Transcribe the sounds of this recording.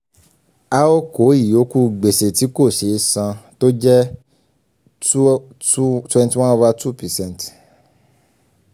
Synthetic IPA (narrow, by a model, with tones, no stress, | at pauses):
a˦o˦ko˨˦i˦˨jo˨˦ku˦ɡ͡be˨se˨ti˨˦ko˦˨ʃe˨˦sã˧to˦d͡ʒɛ˦ | u˦tɛ̃˦nti˦w̃ã˦wa˦tu˦pɛ˨sɛ̃˦˨n˨t